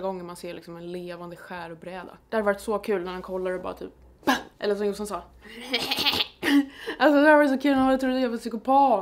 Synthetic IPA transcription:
ɡɔŋːəmanseːɾlɪksɔmɛnleːvand̪əɧæːɾʊbɾɛːd̪a̰d̪̥ɛhad̪vɑːɾɪt̪sɔkʰʉ̟ːlnæɾhankʰɔlːaɾɛbɑ̰ːɾa̰t̪ʰy̰ːp̚ | ʔɛ̰lːəɾʂ̬ɔmjʊsansɑː | als̬ɔd̪ɛhaɾvɑɾɪt̪sɔkʰʉːlanvɑɾɪt̪ːɾʊd̪eːvasʏkʊpʰɑː

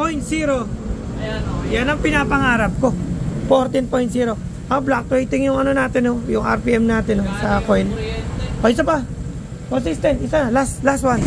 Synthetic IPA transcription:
pojnt̪siːɾo | janɐŋpɪnapɐŋaːɾɐp̚ko̞foɾt̪ɪnpojnt̪siːɾo̞ | ʔablak̚t̪ojt̪ɪŋjʊŋɐnonaːt̪ɪnːojʊŋa̰ɾpiʔɛmnaːt̪ɪnosɐkojnʔoɪsɐpa | konsist̪ɛnt̪ɪsalast̪last̪wan

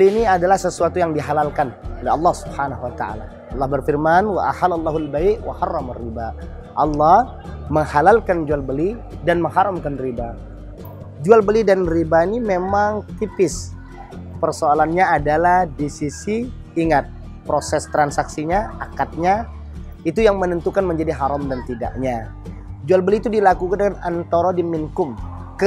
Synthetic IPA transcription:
liiniadalahsəsuat̪ujaŋdiɦalalkanolɛɑlːɑhsubhanaɦwat̪aʔa̰la | ɑlːɑhbərfirmanwa̰ʔahalalˠˤːɑɦalbaiʔwa̰hɑrːɑmarːibaʔ | ʔɑlːɑh | məŋhalalkand͡ʒualbəlidanməŋɦaɾamkanriba | d͡ʒualbəlidanribainimemaŋt̪ipɪs | pərsoalanɲaːdalahdisisiː | ŋat̪̚ | pɾosɛst̪ɾansaksiɲaakat̪̚ɲa | it̪ujaŋmənənt̪ukanməɲd͡ʒadiɦaɾɔmdant̪ida̰ʔɲa | d͡ʒualbəliːt̪udilakukandəŋanant̪oɾɔdimiŋkʊm | kə

